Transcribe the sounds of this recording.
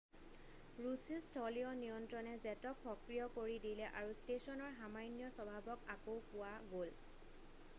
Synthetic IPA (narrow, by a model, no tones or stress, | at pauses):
ɹusistʰɔliɔnijɔntɹɔnɛzɛtɔkʰpɔkɹijɔkoɹidilɛʔaɹustesɔnɔɹɦamajnijɔsɔbʱabɔkakowpʊwaɡol